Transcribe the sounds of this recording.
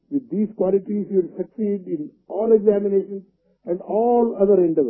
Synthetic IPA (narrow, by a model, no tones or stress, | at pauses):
ʋɪd̪ːiːzkwɔːlɪʈizʋɪlsɐksiːɖɪ̃n | ɔːleɡzæːmɪneːʃə̃ns | ɛ̃ɳɖɔːlʌd̪əɾɪ̃ɳɖəʋə